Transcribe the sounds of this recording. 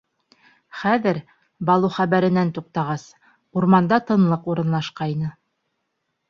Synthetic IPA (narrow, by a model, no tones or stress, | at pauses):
χæðɘɾ | bɑlˠuχæβæɾɘ̆nænt̪uq̚t̪ɑʁɑs | uɾmɑnd̪ɑt̪ɤ̆nlˠɤquɾɤ̆nlˠɑʃqɑjnɤ